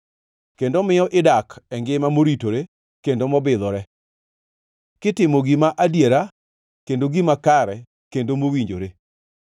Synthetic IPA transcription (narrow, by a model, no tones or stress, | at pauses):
kendomɪjɔʔɪdakɛŋɡɪmamoɾitoɾe | kendomɔbɪðɔɾɛ | kɪtɪmoɡimaʔadjeɾa | kendoɡimakaɾɛ | kendomowiɲd͡ʒoɾe